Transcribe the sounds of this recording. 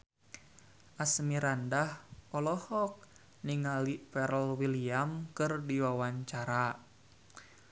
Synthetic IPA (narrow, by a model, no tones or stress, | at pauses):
ʔasmiɾandahpɔlɔhɔk̚ | niŋalifɛɾəlwiliamkɨrdiwawaɲt͡ʃaɾa